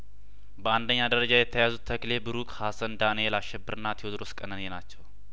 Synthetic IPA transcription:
bəand̪əɲːad̪əɾəd͡ʒajɛt̪ʰːəjazut̪ʰːəkle̞bɨɾukhasənd̪anijelaʃːɛbːəɾɨnːat̪ʰjod̪ɾoskʼənənenat͡ʃːɛw

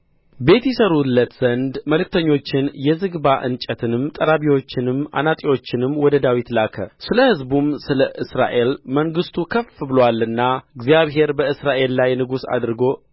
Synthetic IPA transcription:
be̞t̪jɛsəɾulːət̪z̥ənd̪məlɨk̚t̪ʰəɲːo̞t͡ʃːɪnjɛzɨɡbaʔɨ̰nt͡ʃʼət̪ʰɨnɨmt̪ʼəɾaβiwo̞t͡ʃːɪnɨma̰nat̪ʼiwo̞t͡ʃːɪnɨmːwɔd̪əd̪awit̪lakʰə̰sɨləhɨzbumsɨləʔɨsɾa̰ʔe̞lməŋɡɨst̪ʰukʰəfɨbɨlowalːɨnːaɨɡzijaβɦe̞ɾbəɨsɾaʔe̞lːajnɨɡusa̰d̪ɾɨɡo̞

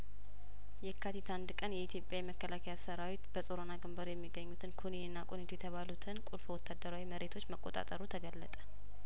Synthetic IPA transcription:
jɛkʰat̪it̪ʰand̪kʼənjɛit̪jo̞pʼjajɛməkːəlakʰəjasəɾawit̪bəsʼoɾonaɡɨmbəɾjɛmːiɡəɲːut̪ʰɨnkʰoniɨnːakʼonit̪ujɛt̪ʰəβalut̪ʰɨnkʼulfwɔt̪ʰːad̪əɾawiməɾe̞t̪ʰo̞t͡ʃːməkʼːo̞t̪ʼa̰t̪ʼəɾut̪ʰəɡəlːət̪ʼə̥

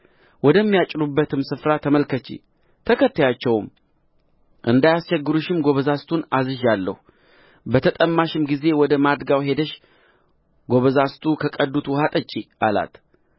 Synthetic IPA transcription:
wɔd̪əmːijat͡ʃʼːɪɾubːət̪ʰɨmsɨfɾat̪ʰəməlkʰət͡ʃːḭ | t̪ʰəkət̪ːajat͡ʃːɛwm | ʔɨnd̪ajast͡ʃɛɡːɨɾuʃɪmɡo̞βəzast̪ʰunazɨʒalːə̰hu | bət̪ʰət̪ʼəmːaʃɪmɡize̞wɔd̪əmad̪ɡawɦe̞d̪əʃ | ɡo̞βəzast̪ʰʼukʰəkʼəd̪ːut̪wɔhat̪ʼət͡ʃʼːiʔa̰la̰t̪

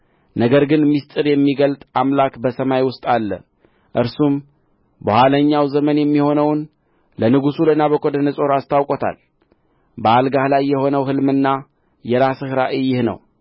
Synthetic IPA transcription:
nəɡəɾɡɨnmːist̪ʼɨɾjɛmːiɡəlt̪ʼamlakbəsəmajwʊst̪ʼalːə̰ | ʔɨɾsum | bəhaləɲːawzəmənjɛmːiho̞nəwn | lənɨɡusulənaβəkʼod̪ənəsʼo̞ɾast̪ʰawkʼot̪ʰa̰l | bəalɡahlajːɛho̞nəwɦɨlmɨnːa | jɛɾasɨhɾaʔɨjːɪhnə̰w

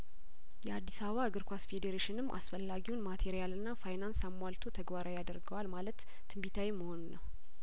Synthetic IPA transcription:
jɛad̪ːisaβəβaɨɡɨɾkʷasfed̪eɾeʃɪnɨmːʔa̰sfəlːaɡiwunmat̪ʰeɾijalɨnːafajnansamːwalt̪ʰo̞t̪ʰəɡbaɾajad̪əɾɡəwalmalət̪ːʰɨmbit̪ʰawimːəho̞nunːəw

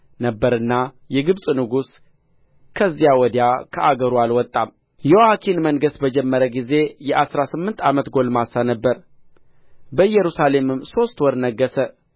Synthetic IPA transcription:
nəbːəɾɨnːa | jɛɡɨβsʼnɨɡus | kʰəzːijawɔd̪jakʰəʔaɡəɾualwɔt̪ʼːam | jɛwakʰinməŋɡəsbəd͡ʒɛmːəɾəɡize̞jɛʔasɾasɨmːɨnt̪ʰamət̪ɡo̞lmasanəbːəɾ | bəɨjɛɾusale̞mɨmso̞st̪wɔɾnəɡːəsə

